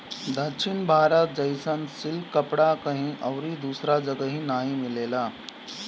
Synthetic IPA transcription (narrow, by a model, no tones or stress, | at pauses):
d̪əʃʰɪnbʱaːɾət̪̚d͡ʒɐɪsənsɪlkːəpɽakɐɦĩʔɔːɾid̪uːsɾad͡ʒəɡəɦĩnaːɦĩmɪleːlaː